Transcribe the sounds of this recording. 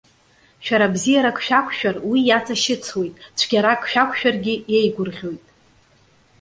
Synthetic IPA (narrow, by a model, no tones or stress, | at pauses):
ʃᶣaɾabzijaɾakʰʼʃᶣakʷʰʃᶣarwijat͡sʰʼaʃɪt͡sʰwe̞jtʼt͡ʃʷʰɡʲaɾakʰʼʃᶣakʷʰʃᶣarɡʲɪjejɡʷʊrʁʲo̞jtʼ